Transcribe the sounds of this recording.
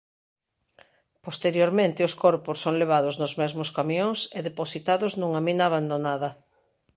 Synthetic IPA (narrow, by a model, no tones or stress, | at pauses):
post̪eɾjoɾmẽnt̪ɪʊskoɾpʊsːoŋleβ̞aðʊznʊzmɛzmʊskamjõŋseðeposit̪aðʊznõŋaminaːβand̪onaðɐ